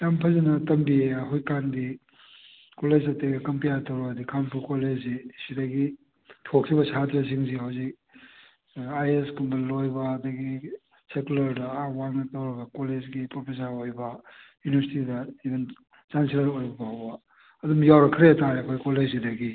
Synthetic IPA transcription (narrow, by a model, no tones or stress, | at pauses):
jampʰɐzɐnɐtɐmbieɐɦujkandi | koled͡ʒɐteɡɐkɐmpijatɐwɾoɐdikʰanpʰukoled͡ʒisidɐɡi | tʰokʰibɐsatɾɐs̬iŋziɦawzik̚ | ajeskumbɐlojbɐdɐɡi | sekulɐɾdɐawaŋnɐtɐwɾɐɡɐkoled͡ʒɡipɾopʰes̬aɾojbɐjunibɐɾsitidɐibɐn | t͡ʃansilaɾojbɐpawbɐ | ɐdumjawɾɐkʰɾeɐtaɾeɐkʰojkoled͡ʒsidɐɡi